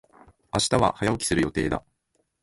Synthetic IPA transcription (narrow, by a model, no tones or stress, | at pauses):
aɕi̥t̪aβa̰hajaokʲi̥sɨɾɯ̟jo̞t̪e̞̰ːd̪a̰